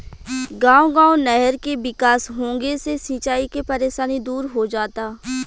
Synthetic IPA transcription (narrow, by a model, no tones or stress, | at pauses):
ɡãːoɡãːonɛɦəɾkebɪkaːsɦõːŋɡesesiːt͡ʃaːikepɐɾeːʃaːnid̪uːɾɦod͡ʒaːt̪aː